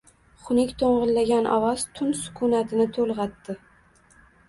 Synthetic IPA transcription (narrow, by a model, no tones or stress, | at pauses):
χʊnɪkʲt̪ʰoɴʁɨlːaɡʲanʔɒ̰wɒz̥t̪ʰʊnsʊ̥kʰʊnat̪ʰɪnɪt̪ʰolˠʁɑt̪ːɪ